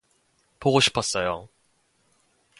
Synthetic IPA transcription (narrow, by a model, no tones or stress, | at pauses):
pʰoɣoɕi̥pːas͈ajo